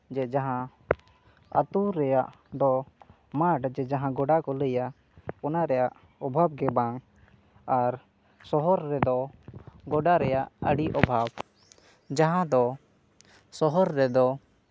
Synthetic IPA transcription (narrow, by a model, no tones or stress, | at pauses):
d͡ʒɛd͡ʒaɦã | ə̰t̪uɾɛjaʔ | d̪ɔ | maʈd͡ʒɛd͡ʒaɦãɡɔɖakɔləja | ɔnaɾɛjaʔ | ɔbʱab̚ɡɛbaŋ | aɾ | sɔɦɔɾːɛd̪ɔɡɔɖaɾɛjaʔəɽiʔɔbʱab | d͡ʒaɦãd̪ɔ | sɔɦɔɾːɛd̪ɔ